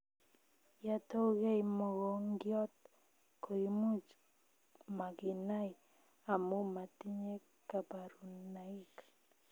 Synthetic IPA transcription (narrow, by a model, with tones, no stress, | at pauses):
ja˦to˦ɣe˦jmɔ˨ɡɔ˨ŋɡjɔ˦t̪ | ko˨i˦mu˦t͡ʃ | ma˨ɡɪ˨na˦j | a˨mo˦ma˨ti˦ɲe˦ | ka˨pa˨ɾu˨na˨i˦k